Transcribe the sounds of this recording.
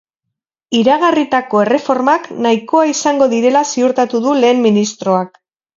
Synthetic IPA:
iɾaɣ̞arit̪ako̞e̞re̞fo̞ɾmaknaiko̞aisaŋɡo̞ðiɾe̞lasiuɾt̪at̪uðule̞ːmːinist̪ɾo̞ak

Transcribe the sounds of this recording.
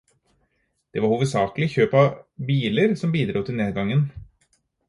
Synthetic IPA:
d̪̥eʋɑɾhuːʋəd̪sɑːkəlɪçøːpɑbiːləɾsɔmbiːd̪ɾuːt̪ʰɪlneːd̪ɡɑŋːən

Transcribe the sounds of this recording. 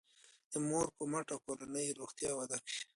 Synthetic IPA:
d̪̥əmoɾkəmaʈawkoɾanəjɾoxt̪jɑwad̪akʃi̥

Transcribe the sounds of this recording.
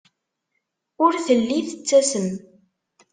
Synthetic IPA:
ʊɾθəlːiθət͡sːæsən

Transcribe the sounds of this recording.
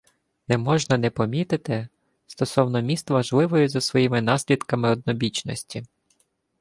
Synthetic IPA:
nɛmɔʒnɐnɛpɔmʲit̪ɪt̪ɪ | st̪ɔsɔwnɔmʲist̪ʋɐʒlˠɪʋɔjʊzɐsʋɔjimɪnɑsʲlʲid̪kɐmɪɔd̪̚nɔbʲit͡ʃnɔ̰sʲtʲi

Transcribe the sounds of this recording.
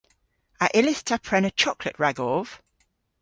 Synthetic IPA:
əʔɪlɪstʰapʰɹɛnət͡ʃʰɒkʰləʔɹaɡɔːv̥

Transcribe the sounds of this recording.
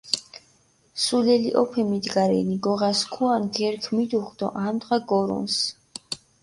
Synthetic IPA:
sulɛliʔɔpʰɛmid̪ɡaɾɛ̰niɡɔʁaskʰuanɡɛɾkʰmid̪uχd̪ɔ̰ʔamd̪ʁaɡɔɾṵns

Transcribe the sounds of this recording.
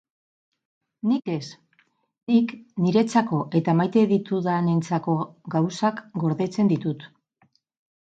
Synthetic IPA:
nike̞s | nikniɾe̞t͡sako̞ʔe̞t̪amajt̪e̞ðit̪uðane̞nt͡sako̞ɡawsakɡo̞ɾðe̞t͡se̞nd̪it̪ut̪

